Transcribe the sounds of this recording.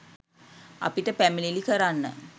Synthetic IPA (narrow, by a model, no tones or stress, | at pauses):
a̰piʈəpæmililikəɾanːə̰